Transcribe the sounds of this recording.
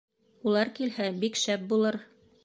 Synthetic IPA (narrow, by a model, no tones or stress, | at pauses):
ulˠɑɾkilhæbikʃæp̚bulˠɤɾ